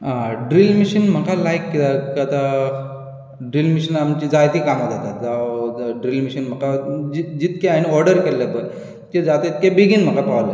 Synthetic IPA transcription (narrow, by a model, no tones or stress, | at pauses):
ɦãɖɾilmiɕənm̤əkalajkːit̪akat̪a | ɖɾilmiɕənamt͡ɕid͡zajt̪iːkamad͡zat̪at̪d͡zaɖɾilmiɕənm̤əkad͡ʑid͡ʑit̪kɛ̃añiɔɾɖəɾkelːəbəɾ | ked͡zat̪ait̪̚kebiɡinm̤əkapaʋlə